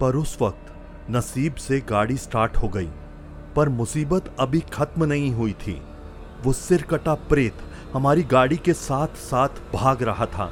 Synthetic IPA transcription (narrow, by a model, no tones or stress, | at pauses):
pɐɾʊsʋɐk̚t̪ | nɐsiːbseɡaːɽisʈaːɾʈɦoɡɐḭː | pɐɾmʊsiːbət̪ɐbʱixɐt̪mnɐɦĩɦuit̪ʰḭː | ʋoːsɪɾkəʈapɾeːt̪ | hɐmaːɾiɡaːɽikesaːt̪ʰsaːt̪ʰbʱaːɡɾɐɦat̪ʰa̰ː